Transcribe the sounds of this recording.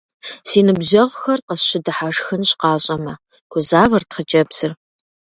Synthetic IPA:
siːnɨbʑɐʁxɐrqəsɕɪdɨħaʂxɨnɕqɑːɕʼɐmɐ | kʷʰʊzaːvɐrtχət͡ʃʼɐbsɨr

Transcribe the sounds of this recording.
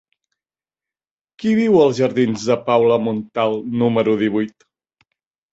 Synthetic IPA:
kiβiwəlˠzʒəɾðinzðəpawləmunt̪alˠnuməɾuðiβ̞ujt̪

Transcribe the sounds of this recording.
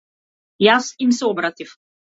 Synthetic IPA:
jasimsɛɔbɾat̪ʲif

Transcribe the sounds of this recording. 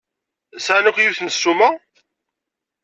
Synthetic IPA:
sʕanukjuθnəsːumæ

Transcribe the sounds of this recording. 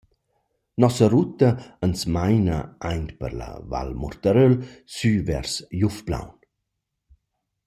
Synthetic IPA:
nɔsəɾut̪ɐənsmajnəajnt̪pə̰ɾla̰va̰lmɔ̰ɾt̪aɾølsyvɛ̰ɾsjufbla̰wn

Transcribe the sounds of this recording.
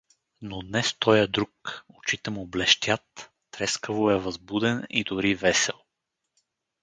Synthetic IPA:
nod̪nɛst̪ɔjəd̪ɾukot͡ʃit̪ɛmoblɛʃt̪ʲjat̪ː | ɾɛskəvoɛvɐzbud̪ɛnḭd̪ʊɾivɛsɛlˠ

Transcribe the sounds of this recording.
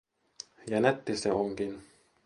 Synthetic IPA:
jænet̪ːiseoŋkin

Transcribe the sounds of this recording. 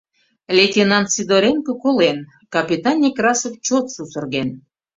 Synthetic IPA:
lʲetʲenɑnt̪sid̪oɾʲeŋkŏkolen | kɑpʲit̪ɑnʲːikrɑsoft͡ɕot̪susə̆rɣen

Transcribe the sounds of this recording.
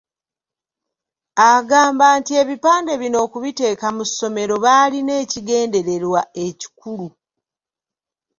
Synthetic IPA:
aɡaːmbaːntie̞βipaːnde̞βino̞ːkuβite̞ːkamuso̞me̞ɾo̞βaline̞ːciɡe̞ːnde̞ɾe̞ɾwae̞ci̥kulu

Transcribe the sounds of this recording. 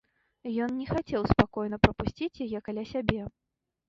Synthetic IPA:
jɔnnʲɛxat͡sʲɛwspakɔjnɐpɾɐpusʲt͡sʲit͡sʲjajɛkalʲasʲabʲɛ

